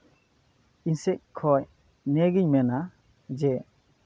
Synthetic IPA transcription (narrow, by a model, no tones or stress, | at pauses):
insek̚kʰɔj | neɡiɲmena | d͡ʒe